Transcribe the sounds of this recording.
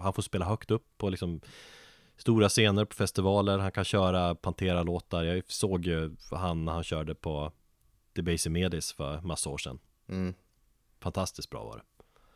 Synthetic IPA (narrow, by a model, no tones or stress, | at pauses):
hanfoːspeːlaɦœkt̪ɵpʰːɔlɪksɔm | st̪uːɾaseːnəɾpʰɔ̥fɛst̪ɪvɑːləɾɦankʰanɕœːɾapʰant̪ʰeːɾaloːt̪aɾjɑsoːɡjɵhanːæɾhanɕœːɖəpʰɔ | d̪̥ɛbɛɪsɪmeːd̪ɪsfœ̰ɾmasːaoːʂɛ̰n | fant̪ʰast̪ɪsk̪̚bɾɑ̰ːvɑ̰ːɖɛ̰